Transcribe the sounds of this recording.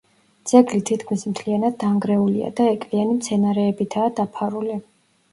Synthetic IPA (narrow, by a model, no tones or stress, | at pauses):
d̪z̥ɛɡlit̪ʰit̪ʰkʰmismt̪ʰlianad̪ːaŋɡɾɛulia̰d̪aɛkʼlianimt̪sʰɛnaɾɛːbit̪ʰaːd̪apʰaɾuli